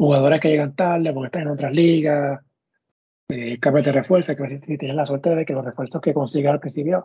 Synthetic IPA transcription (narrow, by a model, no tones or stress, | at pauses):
xuɣað̞o̞ɾeskeʝe̞ɣant̪aɾlepoɾkest̪aŋenot̪ɾasliɣa | ekambjoðe̞re̞fwe̞ɾsokeaβesisit̪jenelasweɾt̪eðeðekelo̞refweɾsohke̞konsiɣaalokisiβjo